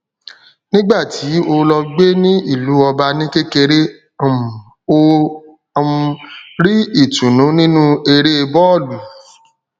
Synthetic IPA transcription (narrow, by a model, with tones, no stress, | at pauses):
nĩ˦ɡ͡ba˦˨tʰi˨˦o˧lɔ˧ɡ͡be˦nĩ˦i˦˨lu˨˦ɔ˧ba˧nĩ˦ke˦ke˧ɾẽ˦˨ | m˨ | o˧ | ɾi˦i˦˨tũ˨nũ˨˦nĩ˦nũ˦e˧ɾe˦e˧bɔ˦ɔ˦˨lu˨˦